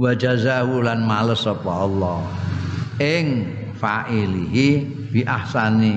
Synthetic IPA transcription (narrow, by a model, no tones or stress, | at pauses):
wad͡ʒazahulanmaləsɔpɔɔlːɔ | ʔɪŋ | faʔiliɦi | b̥iʔahsani